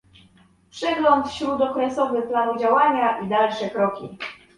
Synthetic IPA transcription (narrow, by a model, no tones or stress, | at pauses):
pʂɛɡlɔnt̪fɕɾud̪ɔkɾɛsɔvɘplanud͡ʑawaɲaʔid̪alʂɛkɾɔkʲḭ